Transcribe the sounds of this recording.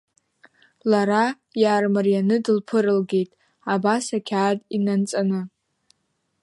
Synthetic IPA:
laɾa | jaːrmɨrijanɨdɨlpʰɨɾɨlɡe̞jtʼ | abasakʲʰaːdʼinant͡sʼanɨ

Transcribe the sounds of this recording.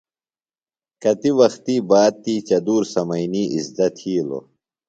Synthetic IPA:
kɐt̪iwɐxt̪iːbaːd̪̚t̪iːt͡ɕɐd̪uːɾsɐmɐjniːizd̪ɐt̪ʰiːlo̰

